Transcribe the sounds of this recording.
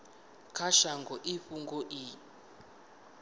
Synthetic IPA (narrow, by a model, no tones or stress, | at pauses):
kʰaʃaŋɡɔʔiɸuŋɡɔʔi